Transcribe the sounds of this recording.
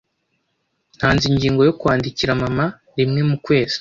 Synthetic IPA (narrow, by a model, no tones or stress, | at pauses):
n̥haːnziɲɟiːŋɡo̞jo̞kuwaːndiciɾamama | ɾimŋe̞mukwe̞ːz̥i̥